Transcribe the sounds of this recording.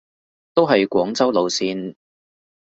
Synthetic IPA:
t̪o˥wɦɐ˨jkʷwɔː˨˥ŋt͡sɐ˥wlo˨˧wsiː˧n

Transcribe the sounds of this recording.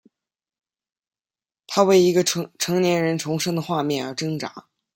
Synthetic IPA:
t̪ʰa˥we˥˩ɪi˧˥ɡə˧ʈ͡ʂʰɤ˧˥ŋnjɛ˧˥nɻə˧˥nʈ͡ʂʰʊ˧˥ŋʂɤ˥ŋd̪ə˨xwa˥˧mjɛ˥˩nə˞˧˥ʈ͡ʂɤ˥ŋʈ͡ʂa̰˧˥

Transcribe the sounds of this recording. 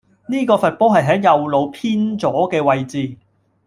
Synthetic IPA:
niː˥kɔː˧fɐ˨t̚pɔː˥ɦɐ˨jɦɛː˨˥ŋjɐ˨wlo˨˧wpʰiː˥nt͡sɔː˨˥kɛː˧wɐ˨jt͡siː˨˧

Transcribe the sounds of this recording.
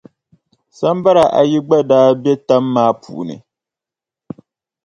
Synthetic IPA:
sa˦m˦ba˦ɾa˨ʔa̰˨ji˦ɡ͡ba˦daː˦bjɛ˦ta˦mːaː˦pʰṵ˨nɨ̰˨

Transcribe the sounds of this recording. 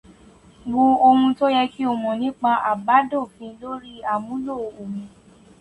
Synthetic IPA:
ɡ͡bu˧o˧hũ˧to˦jɛ˧ki˦ɔ˦˨mɔ̃˨nĩ˦k͡pa˧ʔa˨ba˨˦dɔ̃˦˨fĩ˧˦lo˦ɾi˦a˨mũ˨˦lo˦˨o˨mĩ˨˧

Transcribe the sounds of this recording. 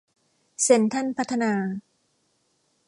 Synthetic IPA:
se˨˩˦nt̪ʰa˥˩npʰa˦˥t̪ʰːa˧naː˧

